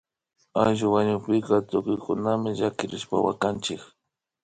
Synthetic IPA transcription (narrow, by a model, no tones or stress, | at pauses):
ajʒʊwaɲʊpɪkat̪ʊkʊjkʊnamɪʒakɪɾɪʃpa̰wa̰kant͡ʃɪk